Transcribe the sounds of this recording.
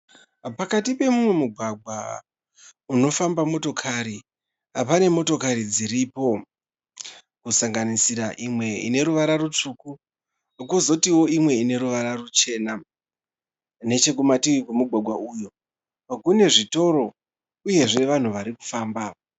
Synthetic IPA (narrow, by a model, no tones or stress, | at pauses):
pakatipe̞mumwe̞muɡʱwaɡʱwa | uno̞fambamo̞to̞kʰaɾi | apane̞mo̞to̞kaɾid͡ziɾipo̞ | kusaŋɡanisiɾaʔimwe̞ḭne̞ɾuʋaɾarut͡ʂuku | kuzo̞tiwo̞imwe̞ine̞ɾuʋaɾarut͡ʃe̞ːna | ne̞t͡ʃe̞k̬umatiwkwemuɡʱwaɡʱwaʔujo̞ | pakune̞ʐito̞ɾo̞ | uje̞ʐe̞ʋan̤uʋaɾiku̥faːmba